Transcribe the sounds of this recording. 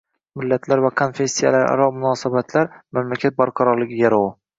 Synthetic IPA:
mɪlːat̪ʰlaɾvakʰonfe̞sʲːija̰laɾa̰ɾɒmʊnɒːsabat̪ʰlaɾmamlakʲʰat̪̚baɾqʰɑɾɒɾlɪɡʲɪjaɾɒwɪ

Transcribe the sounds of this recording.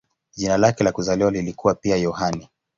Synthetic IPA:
ʄinalakɛlakuzaliwalilikuwapiajɔhani

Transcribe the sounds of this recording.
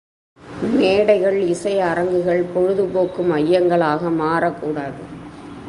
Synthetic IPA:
meːɽɐɪɣɐɭɪsɐɪɐɾɐŋɡɯɣɐɭpɔɻɯðɯpoːkːɯmɐjːɐŋɡɐɭaːɣɐmaːɾɐkːuːɽaːðɯ

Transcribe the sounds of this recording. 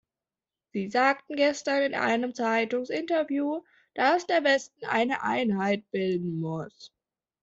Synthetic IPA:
z̥iːzaːk̚tn̩ɡɛstɐnɪnʔa̰ɪnəmt͡saɪtʊŋsɪntɐvjuː | d̥asd̥eːɐvɛstn̩ʔa̰ɪnəʔa̰ɪnɦaɪt̚b̥ɪldn̩mʊs

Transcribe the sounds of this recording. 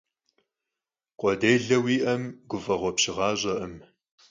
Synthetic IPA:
qʷʼɔdeːɮɐwiːʔɐmɡʷʊfɐʁʷɔpɕɪʁɑːʑʼɐʔəm

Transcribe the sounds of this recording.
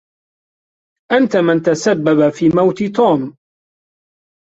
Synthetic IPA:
ʔant̪amɪnt̪asabːabafiːmawt̪ɪt̪uːm

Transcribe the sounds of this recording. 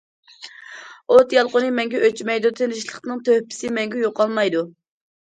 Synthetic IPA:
ot̪jɑlˠqonɨmɛŋɡʲɛʔøt͡ʃmɛjd̪ut̪ʰenɪʃlˠəχnɨŋt̪ʰøhpʰɪ̥sɪmɛŋɡʲɛjoqɑlˠmɑjd̪u

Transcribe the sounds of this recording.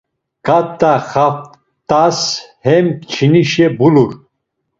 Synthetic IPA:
kʼatt̪ʼːaχaft | t̪ʼashɛmkt͡ʃʰiniʃɛbuluɾ

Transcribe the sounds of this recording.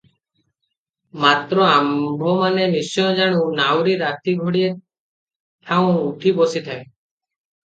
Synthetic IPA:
mat̪ɾɔambʱɔmanenisɔɔ̃d͡ʒaɽ̃ũnawɾiɾat̪iɡʱoɽie | t̪ʰaũuʈʰibosit̪ʰae

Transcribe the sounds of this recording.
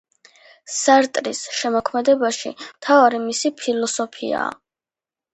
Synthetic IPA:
saɾt̪ʼɾisʃɛmɔkʰmɛd̪ɛbaʃḭmt̪ʰavaɾimisipʰilˠɔsɔpʰḭa̰ː

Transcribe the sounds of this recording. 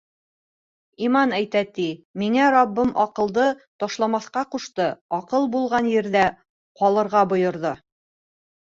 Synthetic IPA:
imɑnæjt̪æt̪imiŋæɾɑbːɤmʔɒqɤ̆lˠd̪ɤt̪ɒʃlˠɑmɑθqɑquʃt̪ɤɒqɤlˠbulˠʁɑnjɘ̆ɾðæ | qɒlˠɤ̆ɾʁɑbŏjŏɾðɤ

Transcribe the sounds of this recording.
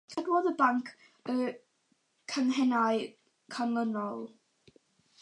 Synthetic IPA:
kʰədwɔðəbaŋkʰ | ə | kʰənɦɛnaj | kʰanlˠənɔlˠ

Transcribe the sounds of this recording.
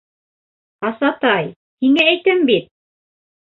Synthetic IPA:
ɑsɑt̪ɑj | hiŋææjt̪ɘmbit̪̚

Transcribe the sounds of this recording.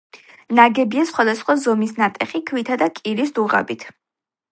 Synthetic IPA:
naɡɛbiasχwad̪asχwazɔmisnat̪ʼɛχikʰwit̪ʰad̪akʼiɾis̬d̪uʁa̰bit̪ʰ

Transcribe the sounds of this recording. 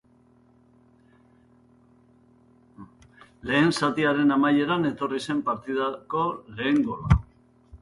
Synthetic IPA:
le̞ːnsat̪iaɾe̞namaje̞ɾane̞t̪o̞rise̞mpaɾt̪ið̞ako̞le̞ːŋɡo̞la

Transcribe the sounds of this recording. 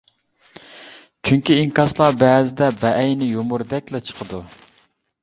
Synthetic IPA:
t͡ʃʰyŋkʲiiŋkɑslˠɑbɛːzɪd̪ɛbɛʔːjnɪjomuɾd̪ɛkʲlɛt͡ʃʰə̥qʰəd̪u

